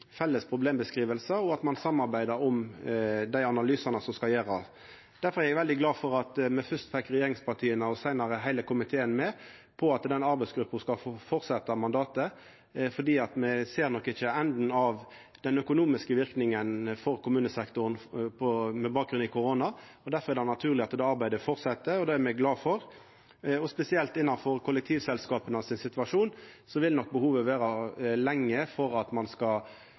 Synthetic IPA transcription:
fɛlːəspʰɾʊbleːmbəskʁiːʋəlsəɔɑt̪mɑnsɑmːɑɾbæɪd̪əɾɔm | d̪æɪɑnɑlyːsɑnəsɔmskɑljeːɾɑ | d̪̥æɾfɔʁæɾɛɡʋɛld̪ɪɡlɑːfɔɾɑt̪mɛfœst̪fɛkːɾɛjeːɾɪŋspʰɑʁʈ̪ʰiːənəɔsæɪnɑɾəɦæɪləkʊmɪt̪ʰeːənmɛpʰɔɑt̪d̪ɛnɑɾbæɪsɡɾʉpːənskɑfɔɾt̪sɛt̪ːɑmɑnd̪ɑːt̪ə | fɔɖ̪iːɑt̪mɛseːɾnɔkːɪçəɛnd̪n̩ɑʋ | d̪̥ɛnœkʊnuːmɪskəʋɪɾknɪŋənfɔʁkʊmʉːnəsɛkt̪ʊɾən̩pʰɔmɛbɑːk̚ɡɾʉnɪkʰʊɾoːnɑ | ɔd̪æɾfɔɾɛd̪hɑnɑt̪ʰʉːʁlɪɑt̪d̪ɛːɑɾbæɪd̪əfɔɾtsɛt̪ːəɔd̪ɑːæɾmɛɡlɑːfɔɾ | ɔspɛsɪɛlt̪ɪnːɑnfɔɾkʰʊlːɛk̚t̪ʰiːʋsɛlskɑːpənɑʋsɪnsɪt̪ʉɑʂuːnsɔʋɪlnɔk̚ːbəhuːʋəʋeːɾɑlɛŋːəfɔɾɑt̪mɑnskɑ

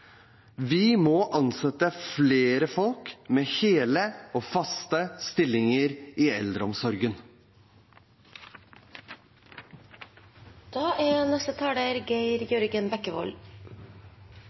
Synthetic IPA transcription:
ʋɪmɔːʔɑnsɛt̪əfleːɾəfɔlkmeːheːləoːfɑst̪əst̪ɪlːɪŋəɾiːɛld̪ɾəɔmsɔɾɡən | d̪̥ɑːʔænɛst̪ət̪ʰɑːɽəɾɡæɪɾjœɾɡənbɛkːəʋɔ̰l

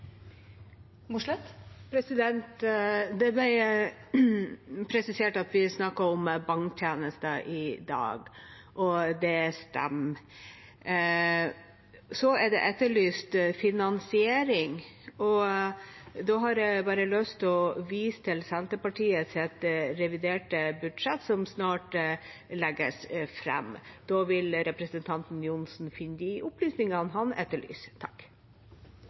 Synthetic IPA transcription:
mʊʂlɛt̪ːpʰɾɛsɪd̪ɛnt̪d̪ɛb̪æ | pʰɾɛsɪseːʈɑt̪ʋɪsnɑkːəɾɔmbɑŋkt̪ʰjeːnəst̪əʔɪd̪ɑ̰ːɡ | ʔɔd̪ɛst̪ɛ̰mː | sɔɛɖɛ̰ʔɛt̪ːəɭyːst̪fɪnɑnsɪeːɾɪŋ | ɔ | d̪oːɦɑɾɛbɑːɾəlœst̪ɔʋiːst̪ʰɪlsɛnt̪əpɑʈʰiːət̪sɛt̪ɾɛʋɪd̪eːʈəbʉd̪ʂɛt̪ːsɔmsnɑːʈlɛɡə̰sfɾɛ̰md̪̥oːʋɪlɾɛpɾəsənt̪ʰɑnt̪n̩jʊnsn̩fɪnːd̪iʔʊplyːsnɪŋənɦɑnɛt̪ːəɭy̰ːst̪ʰɑ̥k

